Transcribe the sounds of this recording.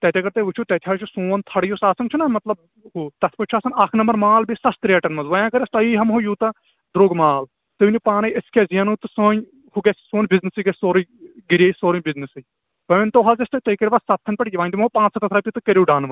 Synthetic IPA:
t̪ɛːt̪ʲaːɡɐɾt̪ɐʋut͡ʃʰuːt̪ɛːt̪ʲʰaːɾt͡ʃʰusoːnt̪ʰɐɽijusaːsɐnt͡ʃʰunɐmɐt̪lɐb̚ | ɦuːt̪ɐt̪ʰpɐʈʲt͡ʃʰuaːsɐnaːkʰnɐmbɐɾmaːlbisɐst̪ɾeːʈɐnmɐzʋɐjãːkɐɾɐst̪ɐiːɦɐmɦojuːt̪ɐ | d̪ɾoːɡmaːl | t̪ɨunʲipaːnɐjɐskʰʲezijɐnuːt̪ɨsoːɲ | huɡɐssoːnbiznɨsɨɡɐsoːɾɡiɾʲeisoːɾunʲbiznɐsɨ | ʋɐʋʲɐnt̪oːɦazɐst̪ɐt̪ɐikɐɾʲʋɐsɐt̪ʰːɐnʲpɐʈʲiʋaːnʲt̪imɦopãːt͡ssɐt̪ɐt̪ʰɾapʲit̪ɨkɐɾʲiːɖaːnʋɐ

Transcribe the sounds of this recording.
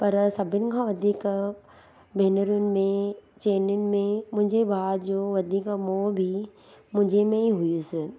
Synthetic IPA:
pɐɾsɐbʱɪnɪ̆kʰãːʋɐd̪ʱiːk | bʱeːnəɾʊnɪ̆mẽt͡ɕeːnʊnɪ̆mẽmʊ̃ɦɪ̃ɲd͡ʑebʱaːd̪d͡ʑoːʋɐd̪ʱiːkmoːbʱi | mʊ̃ɦɪ̃ɲd͡ʑemẽiɦʊjusɪ

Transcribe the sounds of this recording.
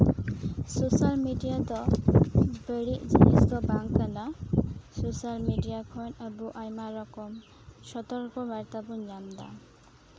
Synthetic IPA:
sosalmiɖijat̪ɔ | beɽid͡ʒiniskɔbaŋkanasosalmiɖijakʰɔnabuʔajmaɾɔkɔm | ʃɔt̪ɔɾkɔbaɾt̪abuɲamd̪a̰

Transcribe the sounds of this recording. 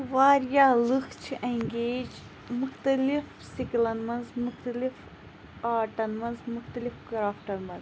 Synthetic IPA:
ʋaːɾjaːlɨxt͡ʃʰiʔɐŋɡeːd͡ʒ | muxt̪ɐlif | siklɐnmɐnzmuxt̪ɐlif | aːʈɐnmɐnzmuxt̪ɐlifɡɾaːfʈɐnmɐnz

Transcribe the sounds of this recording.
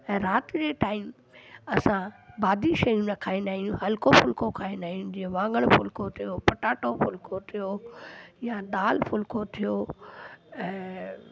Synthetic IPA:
ɛ̃ːɾaːt̪ɪd͡ʑeːʈaːɪm | ɐsãbaːd̪ʱiʃɐjũnɐkʰaːĩnd̪aːɦĩjũɦɐlkofʊlkokʰaːẽnd̪aːɦĩnũd͡ʑĩẽʋãːŋɡəɽ̃fʊlkot̪ʰijopɐʈaːʈofʊlkot̪ʰijo | jaɗ̪aːlfʊlkot̪ʰijo | ɛ̃ː

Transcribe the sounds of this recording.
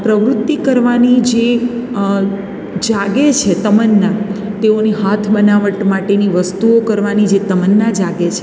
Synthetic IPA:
pɾəʋɾut̪ːikəɾʋanid͡ʒe | d͡ʒaɡet͡ʃʰet̪əmənːat̪eoniɦat̪ʰbənaʋəʈmaʈeniʋəst̪uokəɾʋanid͡ʒet̪əmənːad͡ʒaɡet͡ʃʰe

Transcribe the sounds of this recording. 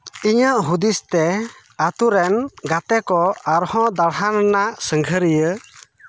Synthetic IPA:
iɲəʔɦud̪ist̪ɛ | at̪uɾɛnɡat̪ɛkɔaɾhɔ̃d̪aɽɦannaʔsəŋɡʱəɾijə

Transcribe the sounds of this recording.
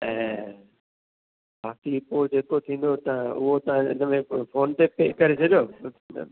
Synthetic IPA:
ɛ̃ɦ | baːkipoːd͡ʑeːkot̪ʰĩːn̆d̪ot̪ɐ̤ãʔʊ̰ɦot̪ɐʋ̤ãɪ̰nəmẽfoːnt̪epeːkɐɾesʰɐd͡ʑo̰ː

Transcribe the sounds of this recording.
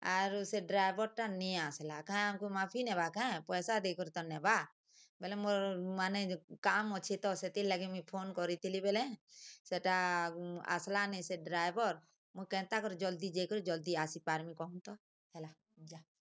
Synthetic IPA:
aɾʊseɖɾaːjbɔɾʈanĩaːslakaɛ̃amkumaːpʰinɛ̃bakaɛ̃pɔːsad̪eːkʰɾt̪ɔnːɛba | belẽmoɾmaːnekaːmɔt͡ʃʰit̪ɔset̪ilɛɡimipʰoːnkɔɾit̪ilibelẽseʈa | a̰slanɛ̃seɖɾaːjbɔɾ | mukɛ̃ːt̪akɔɾd͡ʒɔld̪id͡ʒekʰɾud͡ʒɔld̪iaːsipaːɾmikɔnt̪ɔ | ɦɛla | d͡ʒa

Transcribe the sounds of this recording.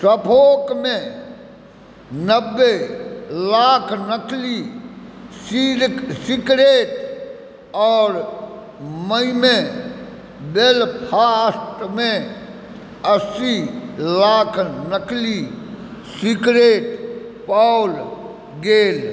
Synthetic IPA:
səpʰoːkmẽ | nəbːe | laːkʰnəkli | sisɪkɾeːʈ | ɔːɾ | məimẽ | belpʰaːsʈmẽ | əsilaːkʰnəkli | sikɾeːʈ | paːʊl | ɡeːl

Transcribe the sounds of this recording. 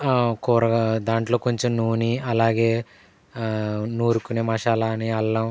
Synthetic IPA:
kuːɾɐɡad̪aːɳʈlo̞ːkoɲt͡ʃomnuːniɐlaːɡeː | nuːɾukuneːmaːʃaːlaːniɐlːɐm

